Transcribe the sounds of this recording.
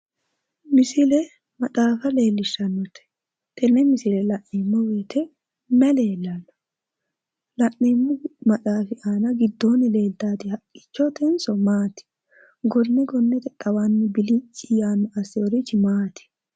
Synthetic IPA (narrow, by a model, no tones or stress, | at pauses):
mɪsɪlɛ | mɐt̪ʼaːfɐle̞ːlːɪʃːɐnːɔt̪ɛ̥ | t̪ɛnːɛmɪsɪlɛlɐʔniːmːɔwiːt̪ʰɛ | mɛleːlːɐnːɔ̥ | lɐʔnɛːmːɔmɐt̪ʼaːfɪʔaːnɐɡɪd̪ːoːnːɪle̞ːlt̪aːd̪ɪhɐkʼːɪ̥t͡ʃːɔt̪ɛnsɔmaːt̪ɪ̥ | ɡɔnːɛɡɔnːɛt̪ɛt̪ʼːɐwaːnːɪbɪlɪt͡ʃʼɪjaːnːɔʔɐsɪjɔɾɪt͡ʃːɪmaːt̪ɪ̥